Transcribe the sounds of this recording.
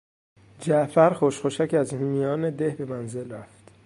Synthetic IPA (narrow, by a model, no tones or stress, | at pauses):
d͡ʒæʔfæɾxoʃxoʃæcæzhimiɒːned̪ehbe̞mænze̞lɾæft̪